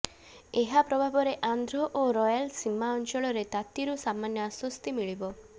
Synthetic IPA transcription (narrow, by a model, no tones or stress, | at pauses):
eɦapɾɔbʱabɔɾeʔand̪ʱɾɔʔoɾɔjalsimːaɔnt͡ʃɔɭɔɾet̪at̪iɾusamanjɔaswɔst̪imiɭibɔ